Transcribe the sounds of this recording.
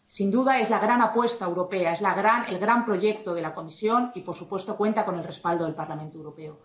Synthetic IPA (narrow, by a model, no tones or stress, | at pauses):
sind̪uðae̞zlaɣ̞ɾanapwe̞st̪aewɾo̞pe̞ae̞zlaɣɾanḛlɣɾampɾo̞ʝe̞k̚t̪o̞ð̞e̞lako̞misjo̞nipo̞ɾsupwe̞st̪o̞kwe̞nt̪ako̞nelre̞spald̪o̞ðelpaɾlamẽnt̪oewɾo̞pe̞o